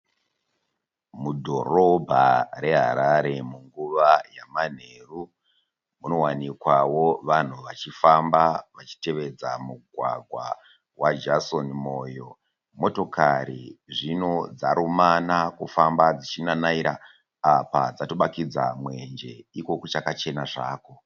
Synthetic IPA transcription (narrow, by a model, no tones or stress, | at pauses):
mudʱo̞̰ro̞bʱare̞ɦa̰ɾaɾe̞muŋɡuʋajaman̤e̞ːru | muno̞wanikwawo̞ʋan̤uʋat͡ʃifambaʋat͡ʃi̥te̞ʋe̞d͡zamuɡʱwa̰ɡʱwa̰ | wad͡ʒaso̞nimo̞jo̞ | mo̞to̞kaɾḭʐino̞d͡zaɾumanakufambad͡zit͡ʃinanaiɾa | apa̰d͡zatoɓakid͡zamwe̞nd͡ʒe̞iko̞kut͡ʃakat͡ʃe̞naʐaːko̞